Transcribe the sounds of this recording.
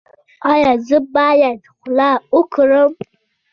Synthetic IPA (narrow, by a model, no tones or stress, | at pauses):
ajazɨbajadχʷlaukʰɨɾɨm